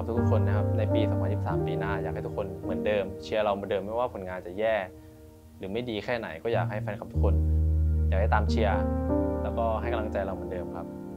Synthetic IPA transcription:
a˨˩pt̪ʰu˦˥kt̪ʰu˥kʰo˧nːa˦˥˩kʰa˦˥p̚na˧jpiː˧sɔ˨˦pʰa˧ni˨˩sa̰ː˩˦mpiː˧naː˥˩jaː˨˩k̚a˥˩t̪ʰu˥kʰo˧nːɯ˩˦əndɤː˧mt͡ɕʰi˧ɐɾa˧wm˩˦dɤː˧mːa˥˩jwaː˥˩pʰo˨˩˦nŋaː˧nt͡ɕa˨˩jɛː˥˩ | ɾɯː˩˦ma˥˩jdiː˧kʰɛː˥˩na̰˩˦jkɔː˥˩jaː˨˩k̚ɦa˥˩jfʰa˧nkʰa˨˩pt̪ʰu˦˥kʰo˧njaː˨˩k̚da˥˩t̪aː˧mt͡ɕʰi˧ɐlɛː˦˥wkɔː˥˩ɦa˥˩jka˧mla˧ŋt͡ɕa˧jɾa˧wmɯ˩˦ndɤː˧mkʰa˦˥p̚

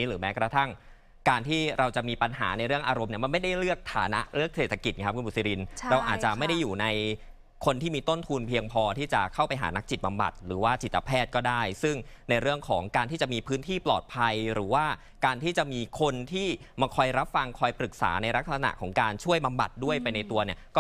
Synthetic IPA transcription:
ɾɯː˩˦mɛː˦˥kɾa˧t̪ʰa˥˩ŋ | kaː˧nt̪ʰiː˥˩ɾa˧wt͡ɕa˨˩ʔmiː˧pa˧nɦa̰ː˩˦na˧jɾɯ˥˩əŋʔaː˧ɾo˧mni˥˩əma˧nma˥˩jda˥˩jɾɯ˥˩ək̚t̪ʰa̰ː˩˦na̰˦˥ʔɾɯ˥˩ək̚seː˨˩t̪ʰːa˧ki˨˩t̪̚kʰa˦˥p̚ʰu˧npu˨˩t̪̚si˧ɾi˧nɾa˧wʔaː˨˩t̪̚t͡ɕa˨˩ma˥˩jda˥˩jːuː˨˩na˧j | kʰo˧nt̪ʰiː˥˩miː˧t̪o˥˩nt̪ʰuː˧npʰi˧əŋpʰɔː˧t̪ʰiː˥˩t͡ɕa̰˨˩kʰa˥˩wpa˧jɦa̰ː˩˦na˦˥k̚t͡ɕi˨˩t̪̚ba˧mba̰˨˩t̪̚ɾɯː˩˦waː˥˩t͡ɕiː˨˩a˧pʰɛː˥˩t̪̚kɔː˥˩daː˥˩jsɯ˥˩ŋna˧jɾɯ˥˩əŋkʰɔː˩˦ŋkaː˧nt̪ʰiː˥˩t͡ɕa˨˩ʔmiː˧pʰɯː˦˥nt̪ʰiː˥˩plɔ̰ː˨˩t̪̚pʰa˧jɾɯː˩˦waː˥˩ | kaː˧nt̪ʰiː˥˩t͡ɕa˨˩ʔmiː˧kʰo˧nt̪ʰiː˥˩ | maː˧kʰɔ˧jɾa˦˥p̚fa˧ŋkʰɔː˧jpɾɯ˨˩k̚sa̰ː˩˦na˧jɾa˦˥k̚sa˧na̰˨˩ʔkʰɔː˩˦ŋkaː˧nt͡ɕʰu˥˩əjba˧mba̰˨˩t̪̚du˥˩əjpa˧jna˧jt̪u˧ɐni˥˩ɐkɔː˥˩

